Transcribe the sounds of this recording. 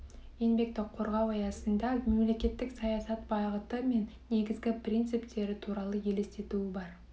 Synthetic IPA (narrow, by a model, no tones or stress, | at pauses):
je̞nbe̞k̚t̪ːɪqʰːo̞ɾʁɑwɑjɑsənd̪ɑme̞mle̞kʲe̞t̪ːɪksɑjɑsɑt̪̚bɑʁət̪əme̞nːe̞ɡʲɪzɡʲɪpʰrʲint̪sɨpt̪e̞ɾɪt̪ʰuɾɑlˠəje̞le̞st̪e̞t̪uɪbɑɾ